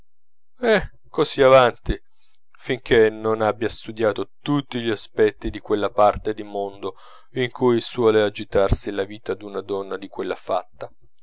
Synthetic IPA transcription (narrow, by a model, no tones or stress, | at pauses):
ɛ | kːosiavant̪i | fiŋk̟enonabːjast̪ud̪jaːt̪ot̪ut̪ːiʎiaspɛt̪ːid̪ikwelːapart̪ed̪imond̪o | iŋkʰujswɔːlead͡ʒit̪arsilaviːt̪ad̪unad̪ɔnːad̪ikwelːafa̰t̪ːa